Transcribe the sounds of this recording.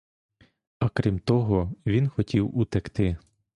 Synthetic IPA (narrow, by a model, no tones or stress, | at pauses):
ɐkɾʲimt̪ɔɦɔʋʲinxɔtʲiwut̪ɛkt̪ɪ